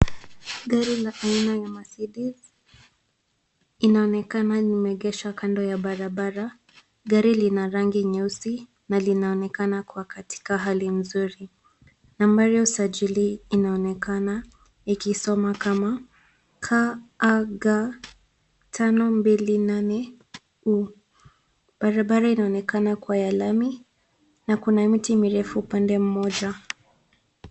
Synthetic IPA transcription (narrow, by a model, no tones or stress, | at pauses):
ɡaɾilaʔainajamasiɗiz | inaɔnɛkananimɛɠɛʃakandɔjaɓaɾaɓaɾa | ɡaɾilinaɾaŋɡiɲɛusi | nalinaɔnɛkanakuwakatʰi̥kaɦalim̩zuɾi | nambaɾiausad͡ʒiliːnaɔnɛkana | ikisɔmakama | kʰaː | ɡa | tʰanɔmbilinanɛ | u | b̥aɾaɓaɾainaɔnɛkanakwajalami | nakunamitimiɾɛfuːpandɛm̩mɔʄa